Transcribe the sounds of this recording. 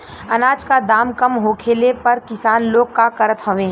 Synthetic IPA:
ɐnaːd͡ʒkad̪aːmkɐmɦoːkʰeːlepɐɾkɪsaːnloːɡ̚kakɐɾət̪ɦoʋẽː

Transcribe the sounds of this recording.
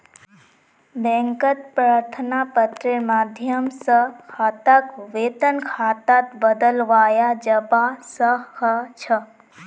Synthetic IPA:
bɛ̃ŋkət̪̚pɾaɾt̪ʰənapət̪ɾemaːd̪ʱjəmsəkʰaːt̪akʋeːt̪ənkʰaːt̪at̪bəd̪əlʋaːjad͡ʒəbasəhɐt͡ʃʰə

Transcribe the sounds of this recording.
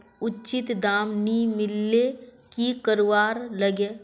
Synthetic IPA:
ʊtːt͡ʃɪt̪d̪aːmnimɪlːe | kikəɾʋaːɾləɡeː

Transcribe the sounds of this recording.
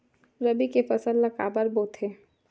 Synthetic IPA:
ɾɐbikefɐsəlːəkaːbəɾboːt̪ʰɦeː

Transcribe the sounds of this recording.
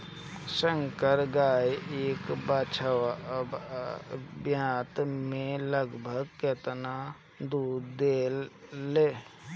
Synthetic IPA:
sə̃ŋkəɾɡaːjeːkbat͡ʃʰ | bjãːt̪mẽləɡbʱəɡket̪na | d̪uːd̪eːlːeː

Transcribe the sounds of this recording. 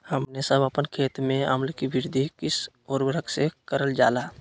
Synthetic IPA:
həmnesəbəpənkʰeːt̪mẽəməlkibɪɾd̪ʱikɪs | oːɾwəɾəksekəɾəld͡ʒaːlaː

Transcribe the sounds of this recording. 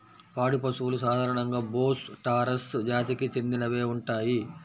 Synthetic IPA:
paːɽupɐsuʋulusaːd̪ʱaːɾɐɳɐŋɡaːboːsʈaːɾɐsd͡ʒaːt̪ikit͡ʃe̞nd̪inɐʋe̞ːuɳʈaːji

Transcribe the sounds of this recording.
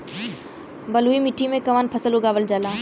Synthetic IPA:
bəluːimɪʈʰimẽkəʋaːnpʰəsəluɡaːʋəld͡ʒaːlaː

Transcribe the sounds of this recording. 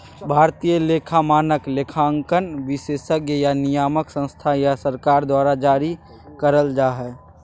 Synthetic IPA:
bʱaːɾt̪ijəleːkʰamaːnəkleːkʰaəŋkənʋɪseːsəkjjanijaːməksə̃nst̪ʰajasəɾkaːɾd̪waːɾad͡ʒaːɾi | kəɾəld͡ʒaːɦɛː

